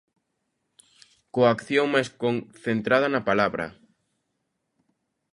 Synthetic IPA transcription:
koakθjoŋmajskonθent̪ɾað̞ɐnɐpalaβɾɐ̰

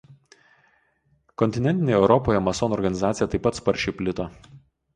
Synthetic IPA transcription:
kɔnʲt̪ʲɪnʲɛnʲt̪ʲɪnʲeːɛʊɾɔpoːjɛmɐsɔnɔːɾɡɐnʲɪzaːt̪sʲɪjɛt̪ɐɪpːɐt̪spɐɾʲt͡ʃʲɛɪpʲlʲɪt̪o

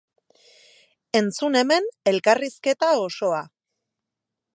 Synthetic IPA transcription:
e̞nt͡sune̞me̞ne̞lkariske̞t̪ao̞so̞a

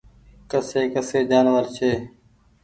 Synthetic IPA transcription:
kəseːkəseːd͡ʒaːnʋəɾt͡ʃʰeː

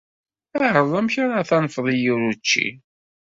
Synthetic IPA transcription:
æʕəðˤæmçaɾˤaθænfðˤijʊɾut͡ʃːḭ

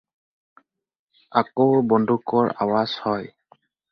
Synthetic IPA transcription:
akowbɔndʱukɔɹa̰waz̥hɔj

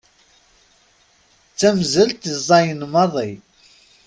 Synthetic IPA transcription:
t͡sːæmzəlt̪izˤɑjənmɑðˤi

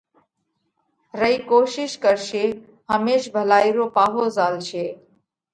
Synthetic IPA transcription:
ɾəiːkoːʃɪʃkəɾʃeː | ɦəmeːʃbʱəlaːiɾoːpaːɦoːzaːlt͡ʃʰeː

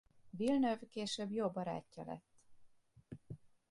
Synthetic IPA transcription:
vilnøvkeːʃøbjoːbːɒɾa̰ːcːɒ̰lɛ̰t̪ː

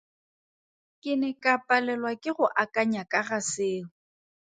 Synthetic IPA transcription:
kʼɪnɛkʼapʼalɛlwakʼɪɣʊʔakʼaɲakʼaɣasɪːlʊ

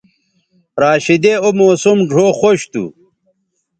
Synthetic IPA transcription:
ɾaːɕid̪eomoːsumɖʱoːxoɕt̪ṵ

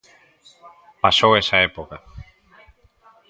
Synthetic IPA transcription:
pasowesaepoka

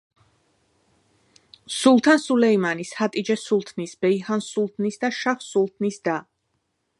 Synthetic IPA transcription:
sulˠt̪ʰansulɛimanishat̪ʼid͡ʒɛsulˠt̪ʰnisbɛihansulˠt̪ʰnisd̪aʃaχsulˠt̪ʰnisd̪a

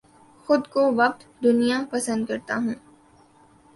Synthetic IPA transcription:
xʊd̪koʋɐq̚t̪d̪ʊnijapɐsə̃nd̪̚kɐɾt̪a̰ɦũː

